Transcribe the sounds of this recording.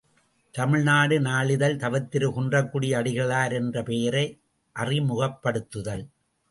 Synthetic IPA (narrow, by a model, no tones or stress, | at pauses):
t̪ɐmɪɻnaːɽɯnaːɭɪðɐlt̪ɐʋɐt̪ːɪɾɯkʊndrɐkːuːɽɪjɐːɽɪɣɐɭaːɾɛndrɐpeːɾɐɪ | ʔɐrimʊɣɐpːɐɽɯt̪ːɯðɐl